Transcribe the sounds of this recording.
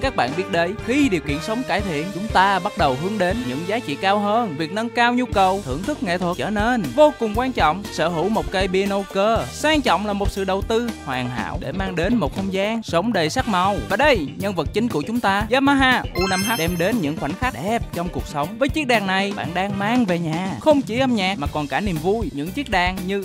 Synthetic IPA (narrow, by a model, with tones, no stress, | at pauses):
kaː˦˥k̚ɓa̰ː˧˨nɓi˦˥t̚ɗe˨˦jxi˧ɗi˨˩əwkḭ˧˨ənsə˨˦wŋ͡mkaː˧˩jt̪ʰḭ˧˨ənt͡ɕʊ˨˦ŋ͡mt̪aː˧ɓa˦˥t̚ɗə˨˩wɦɨ˨˦əŋɗe˨˦nɲɨ̰˧˥ŋzaː˨˦t͡ɕḭ˧˨kaː˧wɦəː˧nvi˨˩ək̚nə˧ŋkaː˧wɲu˧kə˨˩wt̪ʰɨ̰˧˩əŋt̪ʰɨ˦˥k̚ŋɛ̰˧˨t̪ʰə˨˩t͡ɕəː˧˩ne˧nvo˧kʊ˨˩ŋ͡mkwaː˧nt͡ɕɔ̰˧˨wŋ͡msə̰ː˧˥ɦu˧˩˥wmo˨˩t̚kə˧jɓi˧no˧kəː˧saː˧ŋt͡ɕɔ̰˧˨wŋ͡mlaː˨˩mo˨˩t̚sɨ̰˧˨ɗə˨˩wt̪ɨ˧hwaː˨˩ŋɦa̰ː˧˥˨wɗe˧˩maː˧ŋɗe˨˦nmo˨˩t̚t̪ʰə˧wŋ͡mzaː˧ŋsə˨˦wŋ͡mɗe˨˩jsa˦˥k̚ma˨˩wvaː˨˩ɗə˧jɲə˧nvə˨˩t̚t͡ɕï˨˦ŋ̟ku˧˩ət͡ɕʊ˨˦ŋ͡mt̪aː˧zaː˨˦˥maː˨˧˥ɦaː˧ʔu˧na˧mɦa˦˥ɗɛ˧mɗe˨˦nɲɨ̰˧˥ŋxwa˧˩n̟xa˦˥t̚ʔɛ˦˥p̚t͡ɕɔ˧wŋ͡mku˨˩ək̚sə˨˦wŋ͡mvəː˨˦jt͡ɕi˦˥ək̚ɗaː˨˩ŋna˨˩jɓa̰ː˧˨nɗaː˧ŋmaː˧ŋve˨˩ɲaː˨˩xə˧wŋ͡mt͡ɕi˧˩ʔə˧mɲaː˨˩maː˨˩kɔ˨˩nkaː˧˩ni˨˩əmvu˧jɲɨ̰˧˥ŋt͡ɕi˦˥k̚ɗaː˨˩ŋɲɨ˧